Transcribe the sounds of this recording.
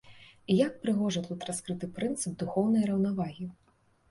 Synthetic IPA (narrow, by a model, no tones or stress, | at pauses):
ijak̚pɾɨɣɔʐɐt̪ut̪ɾaskɾɨt̪ɨpɾɨnt̪sɨb̚d̪uxɔwnɐjɾɐwnavaɣʲi